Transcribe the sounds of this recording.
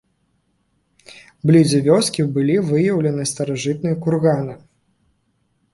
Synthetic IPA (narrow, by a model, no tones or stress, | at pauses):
blʲid͡zʲɐvʲɔskʲibɨlʲivɨjɐwlʲɐnɨst̪ɐɾaʐɨt̪̚nɨjɐkurɣanɨ